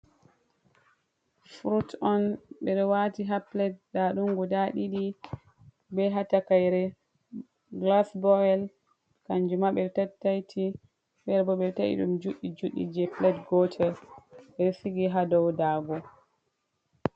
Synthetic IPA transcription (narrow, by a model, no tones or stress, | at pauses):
fɾutɔnɓɛɗɔwatiɦaplɛt̚ːaɗuŋɡɔdaɗiɗi | bɛɦatakajɾɛ | ɡlasbɔɛl | kand͡ʒumaɓɛɗɔtatːajtʰi | ɓɛɾbɔɓɛtaʔḭɗṵmd͡ʒuɗːid͡ʒuɗːḭd͡ʒɛplɛtɡɔtʰɛbɛsiɡiɦadɔwdaːɡɔ